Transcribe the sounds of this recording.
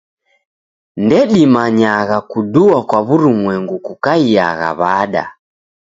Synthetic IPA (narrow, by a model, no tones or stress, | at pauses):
ndɛɗimaɲaɣakuɗuakwaβuɾumwɛŋɡukukaia̰ɣa̰βaɗa̰